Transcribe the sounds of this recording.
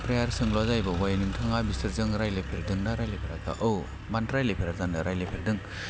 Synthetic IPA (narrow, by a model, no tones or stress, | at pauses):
pɾejaɾsɯŋlazajbawajnɯŋtʰaŋabistɯɾzɯŋɾajlepʰeɾdɯŋnaɾajlepʰeɾata̰ʔɯw | bantɾajlepʰeɾatandaɾajlepʰeɾdɯŋ